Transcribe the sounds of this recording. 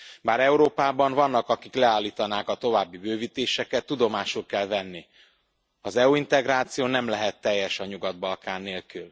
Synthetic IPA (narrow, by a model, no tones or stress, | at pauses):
baːɾɛuɾoːpaːbɒɱvɒnːɒkɒkiklɛaːlːiːt̪ɒnaːkɒt̪o̞vaːbːibøːviːt̪eːʃɛkɛt̪ːud̪o̞maːʃulkɛlvɛnːi | ɒzɛuint̪ɛɡɾaːt̪sijoːnɛmlɛɦɛt̪ːɛjːɛʃɒɲuɡɒd̪̚bɒlkaːnːeːlkyl